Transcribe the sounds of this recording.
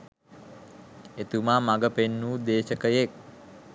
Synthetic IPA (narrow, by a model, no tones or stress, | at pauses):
et̪umaːmaɡəpenːuːd̪eːʃəkəjek̚